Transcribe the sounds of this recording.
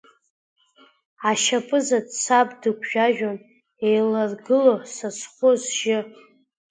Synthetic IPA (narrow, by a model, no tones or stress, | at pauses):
aʃapʼɨzadt͡sʰapʼdɨkʷʼʰʒᶣaʒᶣon | ejlarɡɨlosasχʷozʒ̥ɪ